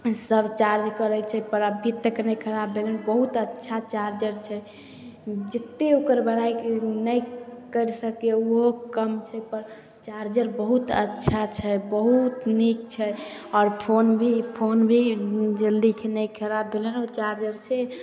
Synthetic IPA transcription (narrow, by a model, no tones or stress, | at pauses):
səbt͡ʃaɾd͡ʒkəɾət͡ʃʰɛpəɾabʱit̪ːəknɛjkʰəɾabːelənbəɦut̪ətːʃʰat͡ʃaɾd͡ʒəɾt͡ʃʰɛ | d͡ʒət̪ːeokəɾbəɽ̤ajkenəjkəɾsəkeuɦokəmt͡ʃʰɛpəɾ | t͡ʃaɾd͡ʒəɾbəɦut̪ə̰tːʃʰat͡ʃʰɛbəɦut̪nik̚t͡ʃʰɛɔːɾpʰonbʱipʰonbʱid͡ʒəld̪ikʰenɛjkʰəɾabːelɛnɔɾt͡ʃaɾd͡ʒəɾt͡ʃʰɛ